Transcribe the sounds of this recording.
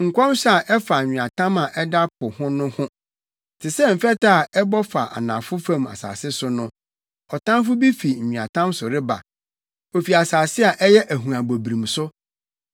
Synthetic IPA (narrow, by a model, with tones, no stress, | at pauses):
ŋ̩˨kʷʰɔ̃˦msa˨ʔɛ˦fa˨ɲᶣɪ̃˨a˨tʰã˦ma˨ʔɛ˦da˦pʰʊ˨hʊ̃˦nʊ̃˦hʊ̃˦ | tʰɪ˨sɛ˦m̩˨fɛ˦ta˦˨ɛ˦bɔ˦fa˨ʔa̰˨nã˨fʊ˦fã˦ma̰˨sa̰ː˨sɪ˦sʊ˦nʊ̃˦ | ɔ˨tã˦nfʊ˦bi˦fi˨ɲ̩˨ɲĩ˨ã̰˨tʰã˦msʊ˨ɾɪ˦ba̰˨ | o˨fi˨a˨saː˨sɪ˦a˨ʔɛ˦jɛ˦ʔæ˨ɦũ˨ã˨bo˨bɾĩ˨msʊ˦